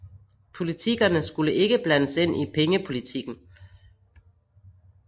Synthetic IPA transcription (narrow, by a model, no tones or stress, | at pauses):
pʰo̝lit͡sʰiɡ̥ɐnəsɡ̥uləʔe̝ɡ̥əb̥lænəse̝n̰ʔipʰeŋəpʰo̝lit͡sʰiɡ̥n̩